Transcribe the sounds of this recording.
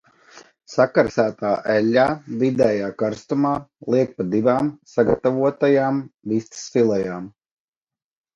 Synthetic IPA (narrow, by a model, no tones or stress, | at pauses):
sakaɾsæːt̪aːʔɛlʲːaːvid̪ɛːjaːkaɾst̪umaːlˠiɛk̚pad̪ivaːmsaɡat̪avuɔt̪ajaːmvist̪sfilˠɛjaːm